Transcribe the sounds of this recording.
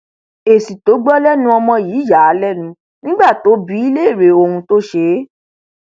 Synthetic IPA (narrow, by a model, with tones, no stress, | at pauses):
e˨si˨to˨˦ɡ͡bɔ˦lɛ˦nũ˧˦ɔ˧mɔ̃˧jiː˨˦ja˨˦lɛ˦nũ˨˦ | nĩ˦ɡ͡ba˦˨to˨˦bi˨˦i˦le˦˨ɾe˨˦o˧hũ˧to˦ʃe˧˦